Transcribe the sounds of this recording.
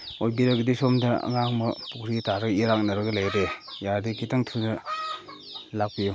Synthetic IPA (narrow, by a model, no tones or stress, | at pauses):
ojbiɾaɡidisomda̰ŋaŋməpukɾitaɾɯkiɾak̚naɾɡɯlajɾejadikʰitaŋtʰunə | lak̚pijuŋ